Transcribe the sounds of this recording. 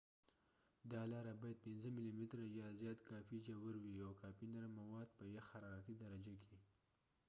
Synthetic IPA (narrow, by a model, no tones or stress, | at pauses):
d̪ɑlɑɾabɑjad̪̚pɪnzəmɪlimɪt̪ɾajɑzjɑt̪kɑfid͡ʒawaɾwiawkɑfinaɾmawɑd̪pəjaxaɾɑɾat̪id̪aɾad͡ʒaki